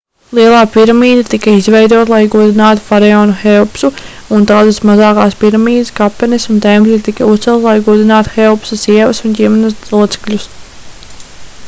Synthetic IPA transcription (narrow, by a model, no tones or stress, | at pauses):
lˠiɛlˠaːpiɾamiːd̪at̪ikɐizvɛjd̪uɔt̪lˠajɡuɔd̪inaːt̪u̥faɾeoːnuxɛɔpsu | unt̪aːd̪ɨsmazɑːkaːspiɾamiːd̪ɪskapːɛnisunt̪emplʲit̪ikɐust̪sɛlˠt̪lˠajɡuɔd̪inaːt̪u̥xɛɔpsasiɛvɐsundʲiɛmɛnɐsuɔt̪sɛ̥klʲus